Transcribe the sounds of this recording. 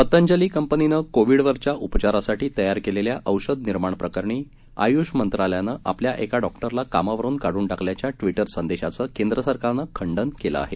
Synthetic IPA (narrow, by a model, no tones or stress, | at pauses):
pət̪əɲd͡ʑəliːkəmpəninəkoʋiɽʋəɾt͡ɕjaʔupt͡ɕaɾasaʈiːt̪əjaɾkeleljaʔəwɕəd̪niɾmaɳpɾəkəɾɳiː | a̰juɕmənt̪ɾaljanəːʔa̰pljaʔekaɖɔkʈəɾlakamaʋəɾuːnkaɽuːɳɖakʰljat͡ɕjaʈʋiʈəɾsənd̪eɕat͡səːkend̪ɾəsəɾkaɾnəkʰəɳɖənkela̰a̰ɦe